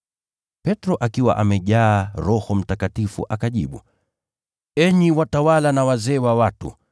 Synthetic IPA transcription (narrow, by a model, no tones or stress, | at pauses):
pɛtɾɔʔakiwa̰ʔamɛʄaːɾɔhɔm̩takatifṵʔakaʄiɓṵ | ɛɲiwatawalanawazɛːwawatṵ